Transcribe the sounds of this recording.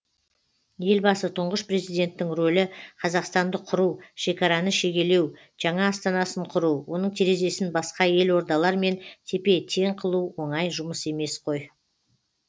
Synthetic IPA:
je̞lbɑsət̪ʰʊɴʁəʃpɾe̞zijd̪e̞nt̪ɪːɪŋro̞lɪqʰɑzɑqst̪ɑnd̪əqʰʊɾuwʃe̞kʲɑɾɑnəʃe̞ɡʲe̞le̞w | ʒ̥ɑɴɑːst̪ɑnɑsəɴqʰʊɾuwo̞nəɴt̪ʰeɾe̞ze̞sɪnbɑsqɑje̞lwo̞ɾd̪ɑlˠɑɾme̞nt̪ʰe̞pe̞t̪ʰe̞ɴqʰəlˠuwwo̞ɴɑjʒʊməse̞me̞sqʰo̞j

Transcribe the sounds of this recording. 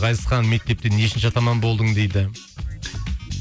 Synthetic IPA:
qɑjt̪əsqɑnme̞k̚t̪e̞p̚t̪eneʃɪnʃɪɑt̪ɑmɑnbo̞lˠd̪əɴd̪e̞jd̪ɪ

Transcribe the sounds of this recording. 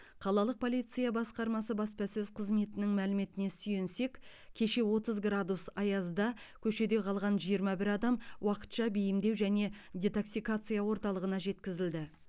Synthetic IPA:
qʰɑlˠɑlˠəq̚pʰo̞lijt̪sɨjabɑsqɑɾmɑsəbɑspɑsɵzqʰəzme̞t̪ɪnɪŋmælɪme̞t̪ɪne̞sʏje̞nse̞kʲkʲʰe̞ʃe̞wo̞t̪əzɡrad̪usɑjɑzd̪ɑkʲʰɵʃe̞d̪e̞qʰɑlˠʁɑnʒijəɾmɑbɪɾɑd̪ɑmwɑqə̥t̪ʃɑbejɪmd̪e̞wʒæne̞ | d̪ʲet̪o̞ksikat̪sɨjawo̞ɾt̪ɑlˠəʁənɑʒe̞t̪kʲɪzɪld̪ɪ

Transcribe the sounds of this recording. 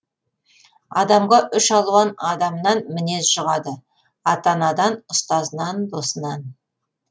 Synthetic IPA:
ɑd̪ɑmʁɑʔʏʃɑlˠuɑnɑd̪ɑmnɑnmɪne̞sʒ̥əʁɑd̪ə | ɑt̪ɑnɑd̪ɑnʊst̪ɑzənɑnd̪o̞sənɑn

